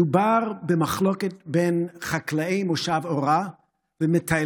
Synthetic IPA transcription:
ubaʁbəmaχlɔkɛt̚benχaklaejmoʃavoʁa | vəmɪtʰa

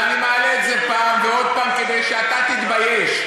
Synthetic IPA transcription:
nimalezepaːmveod̪̚paːmked̪ejʃeat̪at̪it̪bajeʃ

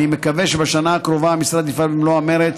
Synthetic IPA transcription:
ime̞kaveʃebaʃanaːkɾo̞vaːmisɾad̪ifalbimloame̞ɾet̪

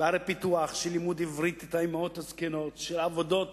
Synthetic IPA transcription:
aɾepit̪uaχʃelimud̪ivɾit̪et̪ajmot̪haskenot̪ʃelavod̪ot̪

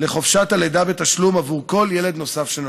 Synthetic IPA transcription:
le̞χo̞fʃataled̪abe̞t̪aʃlumavuʁko̞ljeled̪no̞safʃen

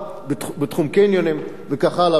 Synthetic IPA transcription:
bet̪χumkejnjonim | vekaχala

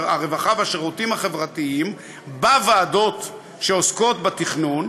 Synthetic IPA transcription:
aʁevaχavaʃeʁut̪imhaχe̞vʁat̪iim | bavaːdo̞t | ʃeosko̞t̪bat̪iχnun

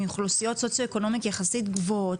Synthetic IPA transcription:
juχlusijo̞tso̞t͡sjo̞eko̞no̞mitjaχasit̪ɡvoot

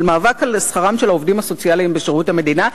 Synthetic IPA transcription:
lmaːvakalsχaʁamʃe̞laovd̪imhaso̞t͡sialiimbeʃeʁuthame̞d̪ina

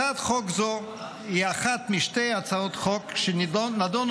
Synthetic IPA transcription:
at̪χokzo | hiaχat̪miʃtejat͡saot̪χokʃenad̪on

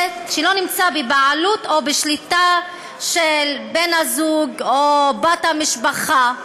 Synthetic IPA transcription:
tʃelo̞nimt͡sabebaʕalut̪obeʃlit̪a | ʃelbenhazuɡobat̪hamiʃbaχa

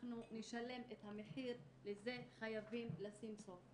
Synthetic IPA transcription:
nuneʃale̞methame̞ħiʁ | leze̞χajavimlasimsof

